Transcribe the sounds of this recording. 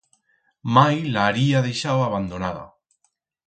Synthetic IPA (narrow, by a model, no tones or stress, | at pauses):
majlaːɾiað̞ejʃawaβ̞and̪onaða̰